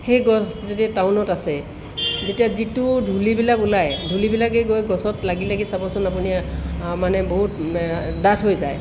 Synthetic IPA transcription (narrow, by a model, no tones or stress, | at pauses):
xejɡɔszetiataʊnɔtasɛ | zetijazitʊdʱulibilakulajdʱulibilakeɡojɡɔsɔtlaɡilaɡisapɔsɔnapunimanɛboɦut | datʰɦojzaj